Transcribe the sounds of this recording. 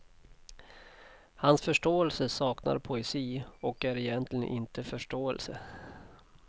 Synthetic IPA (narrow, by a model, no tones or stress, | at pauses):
hansfœʂʈoːɛlsəsɑːkna̰ɾpʰʊɛsiːɔkæɾɪjɛnt̪ʰlɪɡə̰nʔɪnt̪ʰəfœʂʈoːɛ̰lsə